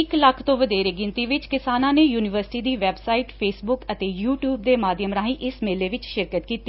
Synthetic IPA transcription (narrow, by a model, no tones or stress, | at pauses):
ɪkləkʰt̪õːʋəd̪eːɾeːɡɪnt̪iːʋɪt͡ʃkɪsaːnãːneːjuːnɪʋəɾsɪ̥ʈiːd̪iːʋɛːbsaːiːʈpʰeːsbʊkət̪eːjuːʈjuːbd̪eːmaːd̪jəmɾãːɦĩːʔɪsmeːleːʋɪt͡ʃʃɪɾkət̪kiːt̪ːi